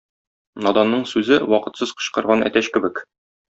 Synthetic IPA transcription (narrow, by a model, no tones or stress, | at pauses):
nɒd̪ɑnːɤɴsʉzɘwɒqɤ̆t̪sɤz̥qɤ̥̆ɕqɤ̆ɾʁɑnæ̰t̪æɕkɘ̆bɘk